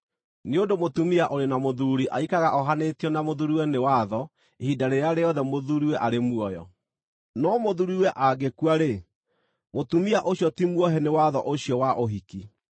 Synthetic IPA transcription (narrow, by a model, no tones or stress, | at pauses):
neodomotumiaʔoɾenamoðuɾiʔa̰ikaɣaʔɔɦanetiɔnamoðuɾiwɛnewaðɔ | ehidaɾeɾaɾeɔðɛmoðuɾiwɛʔaɾemuɔjɔ̰ | nɔmoðuɾiwɛʔaɡekwaɾe | motumiaʔoɕjɔtimwɔɦɛnewaðɔʔoɕiɔwaʔoɦiki